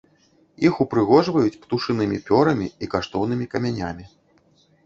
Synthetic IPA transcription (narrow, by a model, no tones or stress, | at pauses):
jixupɾɨɣɔʐvɐjut͡sʲpt̪uʂɨnɨmʲipʲɔɾɐmʲiikaʂt̪ɔwnɨmʲikɐmʲanʲamʲi